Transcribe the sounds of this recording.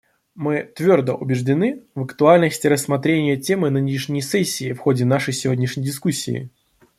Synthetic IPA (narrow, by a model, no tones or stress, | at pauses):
mɨt̪vʲo̞rd̪əʔʊbʲɪʐdʲɪnɨvəkt̪ʊalʲnəsʲtʲɪɾəsmɐt̪ɾʲenʲɪjətʲemɨnɨnʲɪʂnʲɪjəsɛsʲːɪːfxo̞dʲɪnaʂəjsʲɪvʲodʲnʲɪʂnʲɪjdʲɪskusʲːḭː